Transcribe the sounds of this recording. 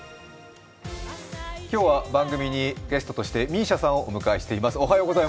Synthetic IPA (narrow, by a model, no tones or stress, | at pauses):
kʲo̞ːβabãŋɡɯ̟mʲiɲ̟iɡ̥e̞sɨ̥t̪o̞t̪o̞ɕi̥t̪e̞mʲĩɕasão̞ʔomɯ̟kaiɕi̥t̪e̞imasɨo̞ɦajoːɡo̞zai